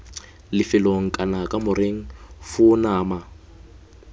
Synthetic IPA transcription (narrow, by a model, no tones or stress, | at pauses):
lɪfɪloŋ̩kʼanakʼamʊɾeŋ̩fʊnaːma